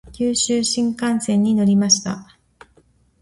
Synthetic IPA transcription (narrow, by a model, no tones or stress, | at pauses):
kʲɨːɕɨːɕĩŋkãɰ̃ñsẽ̞ɲ̟ːino̞ɾʲimaɕi̥t̪a̰